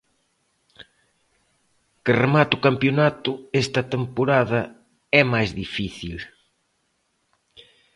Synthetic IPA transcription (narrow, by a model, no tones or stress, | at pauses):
kɪremat̪ʊkampjonat̪ʊest̪ɐt̪empoɾaðɐ | ɛmajzðifiθil